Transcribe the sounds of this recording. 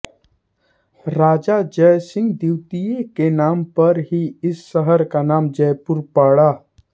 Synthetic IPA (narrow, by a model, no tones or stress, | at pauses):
ɾaːd͡ʒad͡ʒəjsɪ̃ŋɡd̪iwt̪ijekenaːmpɐɾɦiɪsːəɦəɾkanaːmd͡ʒəjpʊɾpaːɽaː